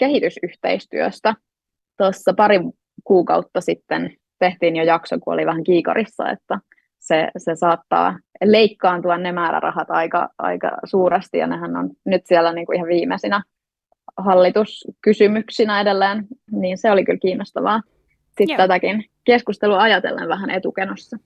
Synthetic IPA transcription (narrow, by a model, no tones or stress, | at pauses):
kehit̪ysyht̪ḛist̪y̰ø̰st̪æ | t̪osːɑpɑɾi | kuːkɑut̪ːɑsit̪ːen | t̪eht̪iːnjojɑksokuo̰liʋæhæŋkiːko̰ɾisːɑ̰ḛt̪ːæ | sesesɑːt̪ːɑ̰ːleikːɑːnt̪uɑnnemæːɾæ̰rʔɑ̰hɑt̪ɑikɑ̰ʔɑ̰ikɑ̰suːɾɑst̪ijɑ̰nehænːo̰nnyt̪siɛlːæniːŋkuihɑʋʋiːmesinæ | hɑlːit̪uskysymyksinæedelːeːnniːnseolikylkiːnːost̪ɑʋɑː | sit̪æt̪ækinkeskust̪eluɑɑjɑt̪ḛlːḛʋʋæhænʔet̪ukenosːɑ